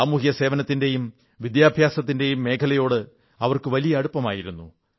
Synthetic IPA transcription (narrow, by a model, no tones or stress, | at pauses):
ɐmuhjɐse̞ːʋɐnɐt̪ːinde̞jum | ʋid̪jaːbʱjaːsɐt̪̬ːinde̞jumːe̞ːkʰɐlɐjo̞ːɽɨ | ɐʋɐrkɨʋɐlijɐːɽupːɐmaːjiɾunːu